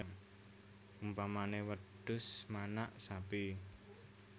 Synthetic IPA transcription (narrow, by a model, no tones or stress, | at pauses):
ŋ | umpamanewəd̥ʊ̤smanaʔsapi